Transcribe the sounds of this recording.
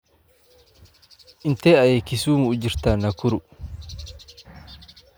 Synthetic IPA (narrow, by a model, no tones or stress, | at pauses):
ʔɪnt̪eːɐjeːkɪsuːmuːd͡ʒɪɾt̪anɐkʊɾʊ